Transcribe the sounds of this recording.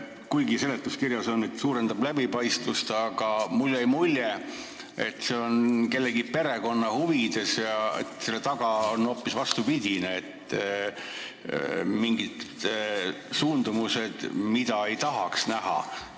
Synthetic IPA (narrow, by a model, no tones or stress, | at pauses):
kujɡise̞le̞t̪ːˑuskiɾjɑso̞nːet̪ːsuːɾe̞nd̪̥ɑblæbipɑjst̪vust̪ɑɡ̥ɑmulːejmulʲje | e̞t̪ːˑse̞o̞nke̞lːeɡipe̞ɾe̞ko̞nːɑhuvid̪̥e̞sjɑḛt̪se̞lːet̪ɑɡ̥ɑono̞ːpːˑisvɑst̪upid̥̪ʲineet̪ː | miŋɡid̪̥ | suːnd̪̥umuse̞d̪̥mid̪̥ɑe̞jt̪ɑɦɑksnæɦɑ̰